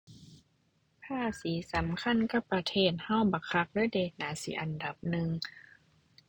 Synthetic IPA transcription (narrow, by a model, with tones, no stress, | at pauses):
pʰaː˧˥˩siː˨˦sa˨˦mkʰa˧˥˨nka˧˩pːɾa˧t̪ʰeː˧˩t̪̚ha˧˥˩wba˨˧˦kʰa˧˥k̚lɯː˧˥˨jdeː˨˩t̪̚naː˨˦sḭː˨˦ʔa˨nda˨˩p̚nɯ˨˧ŋ